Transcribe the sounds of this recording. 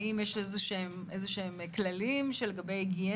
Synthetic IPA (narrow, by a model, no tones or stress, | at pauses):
imjeʃezeʃeemʔezeʃeemklalimʃeleɡabejɡie